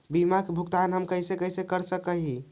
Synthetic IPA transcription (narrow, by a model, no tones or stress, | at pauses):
bimakebʱukt̪anɦəmkəisekəɦisekəɾsəkəɦi